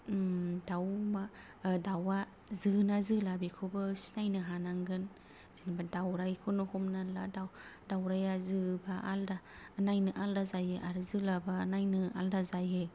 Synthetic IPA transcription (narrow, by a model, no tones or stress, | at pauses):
dawma | dawa | zɯnazɯlabikʰɯbɯsi̥najnɯɦanaŋɡɯn | z̥inbadawɾajkʰɯnɯhɔmnaladawdawɾajazɯbaʔa̰ldaː | najnɯʔaldazajheʔaɾɯzɯlabanajnɯa̰ldazaje